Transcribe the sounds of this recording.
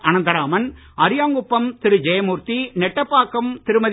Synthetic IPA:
ɐnɐnd̪ɐɾaːmɐn | ɐɾɪjaːŋɡʊpːɐmt̪ɪɾɯd͡ʒɛjɐmuːɾt̪inɛʈːɐpːaːkːɐmt̪ɪɾɯmɐð

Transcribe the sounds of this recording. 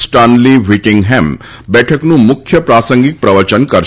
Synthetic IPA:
sʈaːnliʋiʈɪ̃ŋɡɦɛ̃m | bɛːʈʰəknũmʊkʰːjəpɾaːsə̃ŋɡik̚pɾɐʋəɾt͡ʃənkɐɾ

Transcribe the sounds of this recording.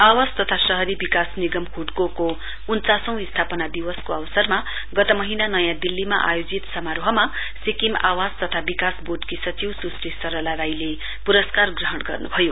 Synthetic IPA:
awad͡zt̪ʌt̪ʰasʌɦʌɾibikasniɡʌmkʰuʈkoko | unt͡sasʌ̃w̃ist̪ʰapʌnad̪iwʌskoʌwsʌrma | ɡʌt̪ʌmʌɦinanʌjãd̪ilːimaʔa̰jod͡zit̪sʌmaɾoɦʌma | sikima̰wad͡zt̪ʌt̪ʰabikasboʈkisʌt͡siwsusisʌɾʌlaɾajle | puɾʌskarɡrʌɦʌɽɡʌrnubʱʌjo

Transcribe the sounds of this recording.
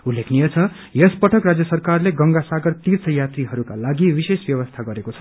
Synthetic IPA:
ulːekʰnijʌt͡sʰʌ | jʌspʌʈʰʌkrad͡zjʌsʌrkarleɡʌŋɡasaɡʌrt̪irt͡sʰʌjat̪riɦʌɾukalaɡiwisesbjʌβʌst̪ʰaɡʌɾekot͡sʰʌ̥

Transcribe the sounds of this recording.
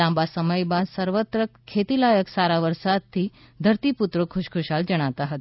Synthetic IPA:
ãmbasəməjbãsəɾʋət̪ɾəkʰːet̪ilajəksaɾaʋəɾsad̪̚t̪ʰːiː | d̪ʱəɾt̪iput̪ɾokʰuɕkʰuɕald͡ʑəɽ̃at̪aɦət̪

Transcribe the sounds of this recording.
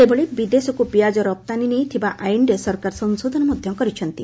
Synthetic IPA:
sebʱoɭibid̪esɔkupiad͡ʒɔɾɔp̚t̪aninejt̪ʰibaʔajɳɖesɔɾkaɾsɔŋsod̪ʱɔnɔmod̪ʱjɔŋkɔɾit͡ʃʰɔnt̪i

